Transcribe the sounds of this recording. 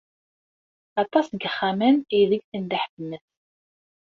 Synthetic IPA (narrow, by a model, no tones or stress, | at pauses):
ɑt̪ˤːɑsɡəχːaməniðəɡθənd̪aħbməθ